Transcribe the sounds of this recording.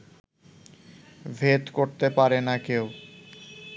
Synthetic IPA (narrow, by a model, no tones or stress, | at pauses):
bʱet̪koɾt̪epaɾenakew